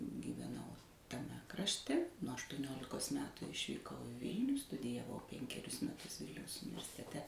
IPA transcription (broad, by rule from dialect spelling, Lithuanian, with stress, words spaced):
ɡʲɪʋʲɛˈnɐʊ tɐˈmʲɛ krɐʃʲˈtʲɛ nuɔ ɐʃtuɔˈnʲoːlʲɪkoːs ˈmʲæːtʊ ɪʃʲʋʲiːˈkɐʊ ɪ ˈʋʲɪlʲnʲuː stʊdʲɪjɛˈʋɐʊ ˈpʲɛŋʲkʲɛrʲʊs mʲɛˈtʊs ˈʋʲɪlʲnʲɛʊs ʊnʲɪʋʲɛrʲsʲɪtʲɛˈtʲɛ